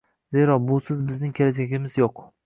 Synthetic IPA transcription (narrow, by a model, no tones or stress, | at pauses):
ze̞ɾɒbʊsɪzbɪznɪŋkʲʰelad͡ʒaɡʲɪmɪzjoq